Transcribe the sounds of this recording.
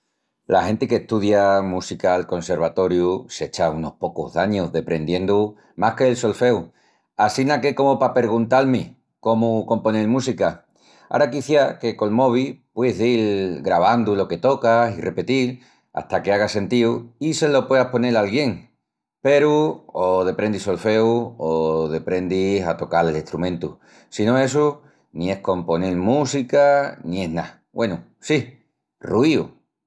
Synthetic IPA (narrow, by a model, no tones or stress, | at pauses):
la̰he̞nt̪ekeht̪uðjamusikaːlko̞nse̞ɾβat̪o̞ɾjuse̞t͡ʃauno̞hpo̞ko̰ɦðaɲoðe̞pɾe̞nd̪je̞nd̪u | mahke̞ːlso̞lfe̞w | asinake̞ko̞mopape̞ɾɣ̞unt̪alme | ko̞muko̞mpo̞nelmũsika | a̰ɾakiθjake̞ko̞lmo̞β̞ipwe̞ðilɡɾaβ̞and̪ulo̞ke̞t̪o̞kasire̞pe̞t̪il | a̰ht̪ake̞aɣ̞ase̞nt̪iuise̞lo̞pwe̞ðapo̞ne̞lalɣje̞ŋ | pe̞ɾuoðe̞pɾe̞nd̪iso̞lfe̞uoðe̞pɾe̞nd̪isat̪o̞kaleleht̪ɾumẽnt̪u | sino̞e̞s̬u | nĩe̞hko̞mpo̞nelmusikanĩe̞ɦna̰ | wʔe̞nu | si | ruiṵ